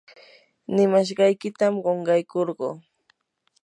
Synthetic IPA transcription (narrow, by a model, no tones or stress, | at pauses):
nɪmaʃ̬ɢɑjkɪt̪amɢoɴɢɑjkoɾɢoː